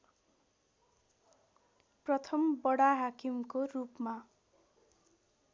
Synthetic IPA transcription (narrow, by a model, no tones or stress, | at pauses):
prʌt̪ʰʌmbʌɽaɦakimkorupma